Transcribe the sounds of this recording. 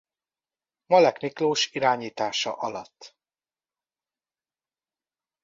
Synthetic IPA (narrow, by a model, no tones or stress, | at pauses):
mɒlɛkmikloːʃiɾaːɲiːt̪aːʃɒ̰ʔɒlɒt̪ː